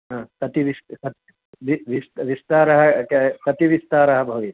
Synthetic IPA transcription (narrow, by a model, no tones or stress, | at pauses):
ɦãːsɐt̪iʋist̪kɐt̪ | ʋiʋist̪ʋist̪aːɾɐɦɐksɐt̪iʋist̪aːɾɐɦɐbʱɐʋit̪